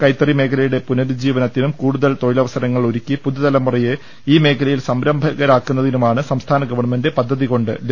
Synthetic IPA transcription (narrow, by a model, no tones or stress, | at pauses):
kɐjt̪ːɐrime̞ːkʰɐlɐjuɽe̞punɐðud͡ʑiːʋɐnɐt̪ːinumkuːɽuðɐlt̪o̞ɻilɐʋɐsɐɾɐŋːɐɭoɾikʲːipuðuðɐlɐmɐrɐje | iːme̞ːkʰɐlɐjilsɐmɾɐmbʱɐɣɐɾaːkːunːɐðinumaːɳɨsɐmst̪ʰaːnɐɡɐʋɐɳɐmendepɐd̪ʱːɐðiko̞ɳɖɨ̰l